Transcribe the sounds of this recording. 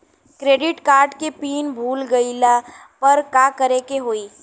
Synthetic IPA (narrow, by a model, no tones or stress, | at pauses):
kɾeːɖɪʈkaːɾɖkepiːnbʱuːlɡɐila | pɐɾkaːkəɾekeɦoːiː